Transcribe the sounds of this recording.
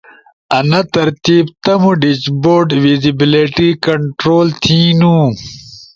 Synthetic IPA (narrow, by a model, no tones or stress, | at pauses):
ɐnɐt̪ɐɾt̪iːbt̪ɐmuɖit͡ɕboːɾɖʋizibiliʈikɐɳʈɾoːlt̪ʰĩːnũ